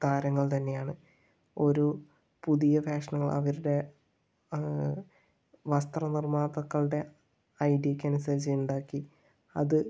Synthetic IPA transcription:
t̪aːɾɐŋːɐɭt̪ɐnːe̞jaːɳɨ | o̞ɾu | puðijɐfaːʂɐnuːɐɭʔɐ̰ʋɐɾuɽe̞ | ʋɐst̪rɐnirmaːnɐt̪ːɐkːɐɭɨɽe̞ | ɐjɖikʲːɐnusɐɾit͡ɕːɐjuɳɖaːkːi | ɐðɨ

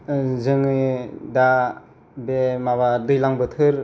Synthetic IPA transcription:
zɯŋɯda | bemaβadɯjlaŋbɯtʰɯɾ

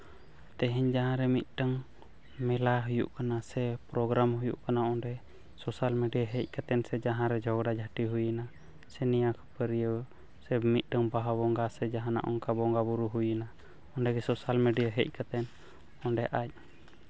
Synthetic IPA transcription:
t̪ɛɦɛɲd͡ʒaɦãɾɛmit̪̚ʈəŋ | mɛlaɦujṵʔkanasɛpɾɔɡɾamhujuʔkanaɔnɖɛ | sɔsalmɛɖijaɦɛc̚ˀkat̪ɛnsɛd͡ʒaɦãɾɛd͡ʒʱɔɡɽad͡ʒʱaʈiɦujəna | sɛnijakʰɔ̥pəɾijə | sɛmit̪̚ˀʈəŋbaɦabɔŋɡasɛd͡ʒaɦãna̰ʔɔŋkabɔŋɡabuɾuɦujəna | ɔɳɖɛɡɛsɔsalmɛɖijaɦɛc̚ˀkat̪ɛn | ɔnɖɛʔac̚

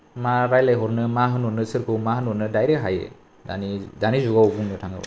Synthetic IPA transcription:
maɾajlajɦɔɾnɯmaɦɯnɔnɯsɯɾkʰɯwmaɦɯnɔɾnɯdajɾekɦajḛ | da̰nidanizuɡawbuŋnɯtʰaŋɯ̰

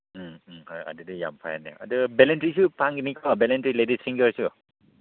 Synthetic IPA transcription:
hɔja̰didija̰mpʰa̰jnɛ̰a̰dubɛlɛntɹisupaŋɡenikɔbɛlɛntɹiledisiŋɡəɹsu

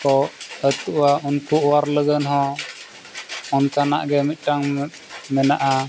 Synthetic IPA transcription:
kɔət̪uʔwaunpuʔwaɾləɡənɦɔ̃ | ɔnt̪ana̰ʔɡɛmit̪̚ˀʈaŋ | mɛnaʔa

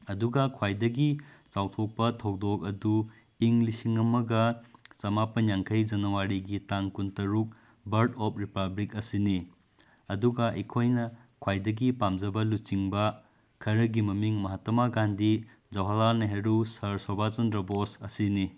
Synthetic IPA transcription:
ɐduɡɐkʰwajdɐɡit͡ʃawtʰok̚pɐtʰɐwdok̚ɐdu | iŋlisiŋɐmɐɡɐt͡ʃɐmapɐnjaŋkʰɐjd͡ʒɐnɐwaɾiɡitaŋkuntɐɾuk̚ | bɐɾdɔp̚ʰɾipablikɐsini | ɐduɡɐʔikʰojnɐkʰwajdɐɡipamd͡ʒɐbɐlut͡ʃiŋbɐ | kʰɐɾɐɡimɐmiŋmɐɦatɐmaɡandi | d͡ʒɐwɦɐlanɐɦeɾusɐɾsɔbʱat͡ʃɐndɾɐbɔsɐsini

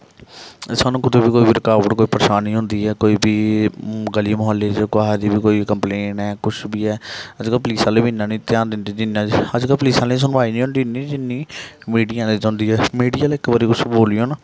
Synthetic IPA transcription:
saːnũːkɪd̪eːbiːkoːiːbiːɾɪkaːʋəʈkoːiːpəɾʃaːnĩːɦʊ̃nd̪iːɛːkoːiːbiː | ɡəliːmoɦəlːeːd͡ʒkaːɦɛd̪iːbiːkoːiːkəmpleːnɛːkʊt͡ʃʰbiːɛːəd͡ʒkəlpliːsãːleːbinːãːnĩːt̪ɪjãːnd̪ɪnd̪id͡ʒɪnːãːəd͡ʒkəlpliːsaːnĩːs̬ʊnʋaːiːnĩːɦʊ̃nd̪iːniːd͡ʒɪnːĩːmiːɖijãːd̪eːd͡ʒãːnd̪iːɛːmiːɖiːəlɪkbəɾiːkʊsboːliːoːnaː

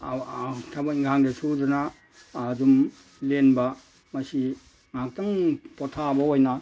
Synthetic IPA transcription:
tʰabaiŋɡʰaŋdesudanaː | dum | lenba | mɐsi | ŋak̚taŋpɔtʰabaojna

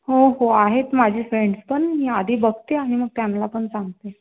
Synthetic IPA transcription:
ɦoɦoaɦet̪mad͡ʑʱiːfɾeɳɖspəɳɦiad̪ʱiːbəɡt̪eaɽ̃iməɡ̚t̪jamlapəɳsãŋɡt̪e

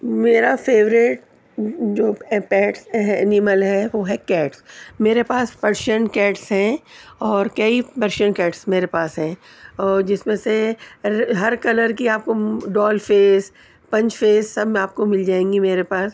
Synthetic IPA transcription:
meːɾafeːʋɾɪʈ | d͡ʒoːpɛːʈsnɪməlɦɛʋoːɦɛkɛːʈsmeːɾepaːspɐɾʃənkɛːʈsɦɛ̃ːɔːɾkɐipɐɾʃəɳkɛːʈsmeːɾepaːsɦɛ̃ːɔːɾd͡ʒɪsmẽse | ɦɐɾkɐləɾkiaːp̚koɖɔːlfeːs | pɐ̃ɲt͡ʃfeːsːɐbaːp̚komɪld͡ʒaːẽːŋɡimeːɾepaːs

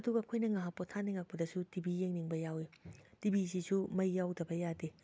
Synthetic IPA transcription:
ɐduɡɐɐkʰojnɐŋaɦapotʰaniŋak̚pɐdɐsutibijeŋniŋbɐjawitibisisumɐjːawdɐbɐjade

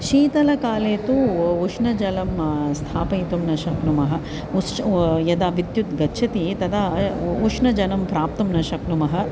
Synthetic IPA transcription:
ʃiːt̪ɐlɐkaːleːt̪uuʂnɐd͡ʒɐlɐmst̪ʰaːpɐjit̪umnɐʃɐknumɐɦɐ | ujɐd̪aːʋid̪jut̪ɡɐtːʃʰɐt̪it̪ɐd̪auʂnɐd͡ʒɐnɐmpɾaːp̚t̪ɐmnɐʃɐknumɐɦɐ̆

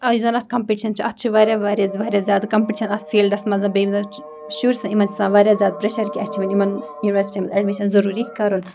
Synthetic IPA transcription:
ɐjzɐnɐt̪̚ʰkɐmpiʈiʃɐnt͡ʃʰiʔɐt̪ːt͡ʃʰiʋaːɾʲjaʋaːɾjaʋaːɾʲjazʲjaːd̪kɐmpiʈiʃɐnɐt̪ʰfʰeːlɖɐsmɐnzɐ̃bebizɐ̃ | ʃuːɾsɐ̃imɐnt͡ʃi̥sãːʋaːɾʲjazʲjaːd̪̚pɾɐʃɐɾkʲiɐt͡ʃʰiʋɐnʲimɐnjuːniʋɐɾsi̥ʈʲimɐzɐɽʋeʃɐnzɐɾuːɾikɐɾun

